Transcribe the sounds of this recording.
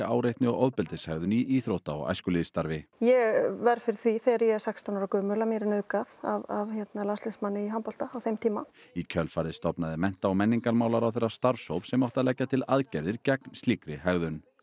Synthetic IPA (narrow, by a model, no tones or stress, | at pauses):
aːwɾejht̪nɪɔɣɔðpɪlt̪ɪshɛɣðʏniiːθɾowht̪aɔ̰ɣa̰jskʏliːðst̪aɾvɪjɛɣvɛɾfɪɾɪɾ̥θviθɛɾjɛsakst̪ʰawnɔɾakœːmʏlamjɛɾɪnœɥkaðavavçɛt̪nalanst̪ɪnsmanːɪiɦampɔl̥t̪aːwθejmt̪ʰiːmaicʰœlfajɾðɪst̪ɔpnaðɪmɛn̥t̪awmɛnːiŋkaɾmaːwlaɾawθejrːast̪aɾvsowpsɛmawht̪alɛcːat̪ʰɪlaðcɛɾðɪɾcɛknst̪liːkɾɪhɛɣðʏn